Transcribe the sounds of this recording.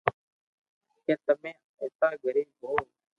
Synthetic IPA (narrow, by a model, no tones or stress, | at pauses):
kẽːt̪əmẽː | eːsaːɡʱəɾiːb̚ʱɦoː